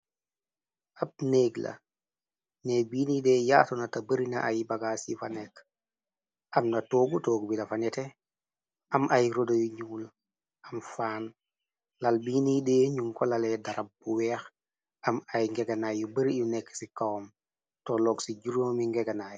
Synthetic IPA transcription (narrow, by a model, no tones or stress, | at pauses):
ʔab̚neːɡla̰ | nebiːnideːjaːtonatabəɾina̰ʔajbaɡaːsifanɛk | ʔɐmnatoɡutoːɡbilafanɛte | ɐmʔajɾodojuɲuːl | ʔamfaːn | lalbiːnideːɲuŋkɔlalɛdaɾab̚buwɛːx | ɐmajŋɡeɡanajubəɾijunɛkːsikawm | tɔlɔːɡsiɟuɾomiŋɡɛɡanaj